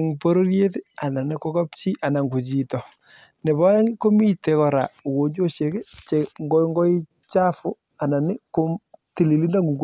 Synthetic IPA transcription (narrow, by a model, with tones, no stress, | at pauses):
ŋpo˦ɾo˦ɾje˦tɪ˦a˨na˨nɪ˦kɔ˦kɔ˦pt͡ʃi˦ʔa˨na˨ŋɡu˨t͡ʃi˨tɔ˨ | nɛ˨bɔ˦ja˦ŋɡɪ˦ko˦mi˦te˨kɔ˨ɾa̰˨u˨ko˨ɲd͡ʒo˦ʃje˨ke˦t͡ʃe˨ŋɡɔŋɡɔ˦i˦ | t͡ʃa˦fʊ˦ | a˨na˨nɪ˦ko˦ti˨li˨li˦nda˦ŋɡu˨ŋɡo